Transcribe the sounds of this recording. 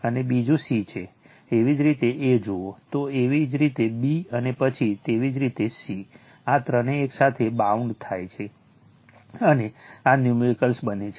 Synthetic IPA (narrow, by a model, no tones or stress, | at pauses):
ənebid͡ʒũsit͡ʃʰeː | ʋid͡ʒɾit̪eʔed͡ʒoot̪oeʋid͡ʒɾit̪ebiənepət͡ʃʰit̪eʋid͡ʒɾit̪esi | at̪ɾəneːksat̪ʰebauɳɖt̪ʰajt͡ʃʰe | əneanjumiɾikəlsbənet͡ʃʰe